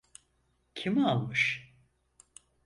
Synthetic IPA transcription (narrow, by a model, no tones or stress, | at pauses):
cʰimalˠmɯʃ